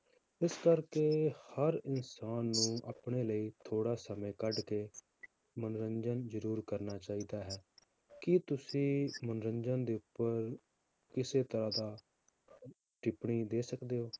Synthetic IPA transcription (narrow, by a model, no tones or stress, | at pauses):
ɪskəɾkeːhəɾɪnsaːnːũːaːpɳeːləiːt̪ʰoːɽaːsəmẽːkəɖkeː | mənɾəɲd͡ʒənzəɾuːɾkəɾnaːt͡ʃaːiːd̪aːɦɛː | kɪt̪ʊsĩːmənɾəɲd͡ʒãnd̪eːʊpːəɾ | kɪseːt̪əɾãːd̪aː | ʈɪpɳiːd̪eːsəkd̪eːɦoː